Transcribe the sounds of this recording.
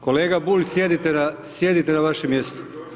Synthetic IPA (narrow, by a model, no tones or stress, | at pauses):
ko̞leːɡabuːʎʲsjed̪it̪enasje̞d̪it̪enaʋaʃemjest̪o̥